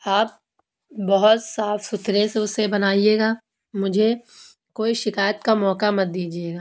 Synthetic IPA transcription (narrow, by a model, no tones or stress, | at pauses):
aːp̚ | bɐɦʊt̪saːfːɪt̪ɾẽseʊsebɐnaːieːɡaː | mʊd͡ʒʱe | koːiʃɪkaːjət̪kamɔːkamɐt̪̚d̪iːd͡ʒieːɡaː